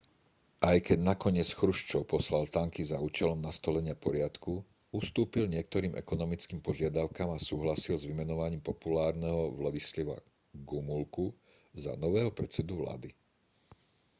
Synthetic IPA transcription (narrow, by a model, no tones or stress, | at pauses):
ʔajkɛɟnakɔɲɪɛt͡sxɾuʃt͡ʃɔʊpɔslalt̪aŋkizauːt͡ʃɛlɔmnast̪ɔlɛɲɪapɔɾɪat̪ku | ust̪uːpilɲɪɛk̚t̪ɔɾiːmʔɛ̰kɔnɔmit͡skiːmpɔʒɪad̪aʊkamasuːɦlasilzʋimɛnɔʋaɲiːmpɔpulaːɾnɛɦɔʋlad̪islɛʋa̰ | ɡumulku | za̰nɔʋɛːɦɔpɾɛt͡sɛd̪uʋla̰ːd̪i